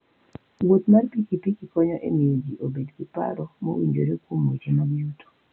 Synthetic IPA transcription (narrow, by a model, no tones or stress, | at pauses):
wot̪marpikipikikɔɲɔʔḛmiod͡ʒiʔobedkipa̰ɾɔmo̰wḭɲd͡ʒo̰ɾekomːot͡ʃimaɡjuto̥